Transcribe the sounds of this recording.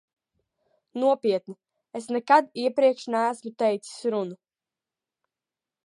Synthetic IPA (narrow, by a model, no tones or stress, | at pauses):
nuɔpiɛt̪ni | esnɛkad̪iɛpɾiɛkʃnæːsmut̪ɛjt̪si̥sɾunu